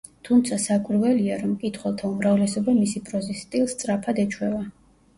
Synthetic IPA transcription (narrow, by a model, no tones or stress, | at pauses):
t̪ʰumt̪sʰasakʼwiɾvɛliaɾɔmkʼit̪ʰχwɛlˠt̪ʰaumɾavlɛsɔbamisipʼɾɔzist̪ʼilˠst̪sʼɾapʰad̪ɛt͡ʃʰwɛva